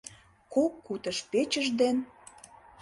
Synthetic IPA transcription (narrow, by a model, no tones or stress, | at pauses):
kokːut̪əʃpet͡ɕəʒd̪en